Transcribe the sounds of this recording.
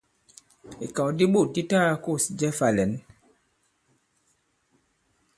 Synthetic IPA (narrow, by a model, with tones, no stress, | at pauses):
i˨kã˨di˦ɓu˦˨di˦taː˦ku˦˨si˨d͡ʒɛ˦fa˨lɛ˨˦n